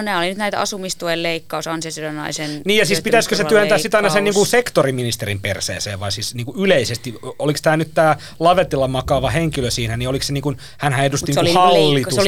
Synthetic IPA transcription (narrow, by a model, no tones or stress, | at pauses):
onæːolinyt̪næit̪ɑ̰sumist̪ujelleikːɑusɑnsesilonɑ̰isenniːjjɑsiːspit̪æskøseyænt̪æːsit̪ɑinɑseniːŋkusekt̪oriminist̪erimpersḛːsḛːʋʋɑisiːsniːŋkuyleisest̪iolikst̪æːnyt̪t̪æː | lɑʋet̪ilːɑmɑkɑʋɑheŋkiløsiːnæniolikseniːŋkun | hænhæedust̪iniːkhɑlːi